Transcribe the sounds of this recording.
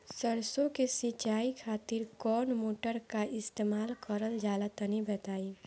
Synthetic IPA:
səɾsõkesit͡ʃaːikʰaːt̪ɪɾkɔːnmoːʈəɾkaʔɪst̪eːmaːlkəɾəld͡ʒaːlət̪ənibət̪aːi

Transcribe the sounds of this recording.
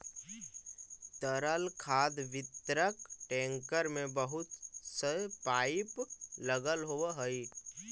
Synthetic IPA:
t̪əɾəlkʰaːd̪ʋɪt̪ɾəkʈẽːŋkəɾmẽbəɦʊt̪səpaːɪpləɡəlɦoɦəi

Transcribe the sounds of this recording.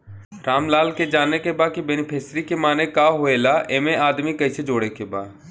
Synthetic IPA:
ʈaːmlaːlked͡ʒaːnːekebaːkibenipʰeːsɾikemaːnekaɦoeːlaʔeːmẽʔaːd̪mikɐised͡ʒoːɽekebaː

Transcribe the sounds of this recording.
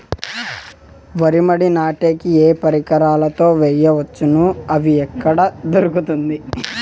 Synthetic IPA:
ʋɐɾimɐɽinaːʈe̞ːkieːpɐɾikɐɾaːlɐt̪o̞ːʋɛjːɐʋɐt͡ʃːunuɐʋiɛkːɐɽɐd̪oɾukut̪und̪i

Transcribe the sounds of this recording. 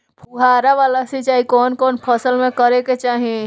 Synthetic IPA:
pʰuɦaːɾaʋaːlasit͡ʃaːɦikɔːnkɔːnpʰəsəlmẽkəɾeket͡ʃaːɦiẽ

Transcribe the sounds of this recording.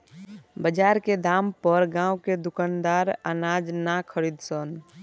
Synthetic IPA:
bəd͡ʒaɾked̪ampəɾɡãːwked̪ʊkand̪aɾənad͡ʒnakʰəɾid̪sən

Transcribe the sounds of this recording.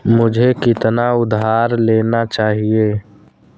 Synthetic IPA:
mʊd͡ʒʱekɪt̪naʊd̪ɦaːɾleːnat͡ʃaːɦieː

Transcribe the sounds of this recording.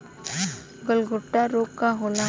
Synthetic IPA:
ɡəlɡʱʊʈːaɾoːkkaɦoːla

